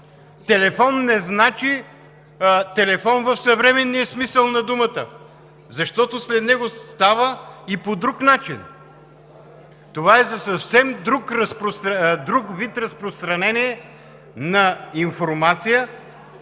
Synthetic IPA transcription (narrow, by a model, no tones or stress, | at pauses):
t̪ɛlɛfɔnːɛznat͡ʃi | t̪ɛlɛfɔnvəfsɐvɾɛmɛnːiɛsmisəlˠnɐd̪umət̪ə | zɐʃt̪ɔt̪oslɛd̪nɛɡosst̪avəipod̪ɾuknat͡ʃin | t̪ovaɛzɐsɐfsɛmd̪ɾukɾəspɾost̪d̪ɾukvit̪ɾɐspɾost̪ɾɐnɛniɛ | nɐinfoɾmat̪sijə